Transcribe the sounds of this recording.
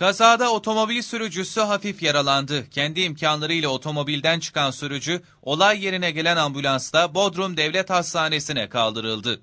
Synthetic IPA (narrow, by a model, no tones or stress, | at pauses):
kazaːd̪ao̞t̪ʰo̞mo̞bilʲsyɾyd͡ʒysyɦafifjaɾalˠand̪ɯcʰɛnd̪iːmcʰanlˠaɾɯilʲɛo̞t̪ʰo̞mo̞bilʲd̪ænt͡ʃʰɯ̥kansyɾyd͡ʒy | o̞lˠajːe̞ɾinɛɟe̞lʲænambylʲˠanst̪abo̞d̪ɾumd̪ɛvlʲɛt̪hast̪ʰaːne̞sinɛkʰalˠd̪ɯɾɯlˠd̪ɯ